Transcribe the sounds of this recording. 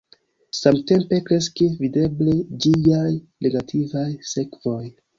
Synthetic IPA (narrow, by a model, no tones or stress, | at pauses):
samte̞mpe̞kɾe̞skivide̞bled͡ʒijaj | nʔe̞ɡatʰivajse̞kvo̞j